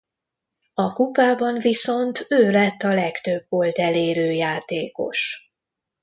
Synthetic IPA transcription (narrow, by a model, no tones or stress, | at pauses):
ɒkupaːbɒɱviso̞nt̪øːlɛt̪ːɒlɛkt̪øbːo̞lt̪ɛleːɾøːjaːt̪eːko̞̰ʃ